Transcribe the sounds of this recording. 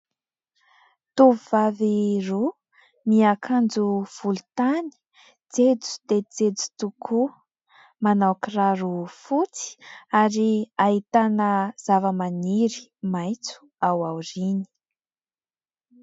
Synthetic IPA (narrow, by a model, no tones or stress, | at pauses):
t̪uvuvaviru | miakʰand͡zuv̥ulut̪ani̥ | d͡zed͡zu̥d̪̥ed͡zed͡zu̥t̪ukʰu | manawkiraɾufut͡si̥aɾiaɦit̪anəz̥avəmaniɾi̥majt͡su̥ | awawrini̥